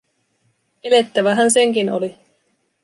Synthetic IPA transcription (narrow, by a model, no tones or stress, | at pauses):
ele̞t̪ːæʋæɦænse̞ŋkino̰li